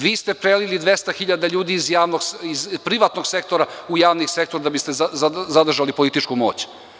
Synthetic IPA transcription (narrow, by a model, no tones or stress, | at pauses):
ʋiːst̪epɾelilid̪ʋe̞st̪axiʎad̪aʎuːd̪iːzjaːʋnoɡizpɾiʋat̪noɡsek̚t̪o̞ɾaujaːʋnisek̚t̪oɾad̪abist̪ezzad̪r̩ʒalipo̞lit̪it͡ʃkumo̞̰ːt͡ɕ